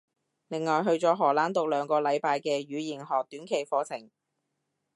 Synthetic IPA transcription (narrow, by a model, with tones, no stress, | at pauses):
lɪ˨˩ŋŋɔː˨jɦɵ˧ɥt͡sɔː˨˧ɦɔː˨˩laː˨˥nt̪ʊ˨k̚lœː˨˧ŋkɔː˧lɐ˨˧jpaː˧jkɛː˧ɥyː˨˧jiː˨˩nɦɔː˨k̚t̪yː˨˥nkʰe˨˩jfɔː˨˧t͡sʰɪ˨˩ŋ